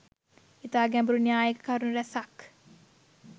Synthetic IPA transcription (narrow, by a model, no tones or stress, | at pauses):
it̪aːɡɛmbuɾunjaːjəkə̥kaɾunuɾæsak